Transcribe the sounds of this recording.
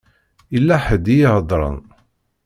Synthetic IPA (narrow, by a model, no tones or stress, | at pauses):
ilːæħəd̪ijihəd̪ˤɾˤə̰n